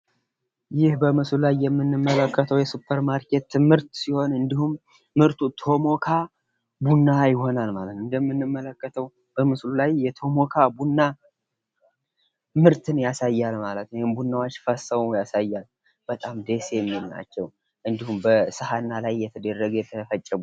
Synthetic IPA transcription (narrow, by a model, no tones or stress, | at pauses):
jɪhbəmɨslulajːɛmːɨnːɨmːələkːət̪ʰəwjɛsupʰːəɾmaɾke̞t̪ːɨmɨɾt̪siho̞nɨnd̪ihumː | ɨɾt̪ʰut̪ʰo̞mo̞kʰa | bunːajɪho̞nalmalət̪ɨnd̪əmːɨnːɨmːələkːət̪ʰəw | b̥əmɨslulajːɛt̪ʰo̞mo̞kʰabunːa | mɨɾt̪ʰɨnjasajːalmalət̪nhɪmbunːawot͡ʃːfəsəmujasajːal | b̥ət̪ʼamd̪e̞sejɛmːilna̰t͡ʃːɛw | ʔɨnd̪ihumbəsɨhanːalajːɛt̪ʰəd̪ərːəɡjɛt̪ʰəfət͡ʃʼːɪb